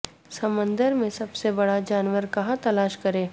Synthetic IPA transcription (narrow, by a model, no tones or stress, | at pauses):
sɐmə̃nd̪əɾmẽsɐbsebɐɽad͡ʒaːnʋəɾkɐɦat̪ɐlaːʃkɐɾẽː